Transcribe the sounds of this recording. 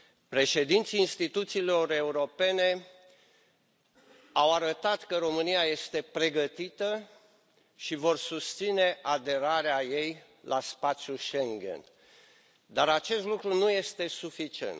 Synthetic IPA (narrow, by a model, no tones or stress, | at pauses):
pɾe̞ʃe̞d̪int̪siːnst̪it̪ut̪siːlo̞ɾe̞uɾo̞pe̞ne̞ | awaɾət̪at̪kəɾo̞mɨnijaje̞st̪e̞pɾe̞ɡət̪it̪ə | ʃivo̞rsust̪sine̞ʔad̪e̞ɾaɾeaje̞j | lʔaspat̪sjuʃe̞ŋɡḛn | d̪aɾat͡ʃe̞st̪lukɾunuje̞st̪e̞sufit͡ʃie̞̰nt̪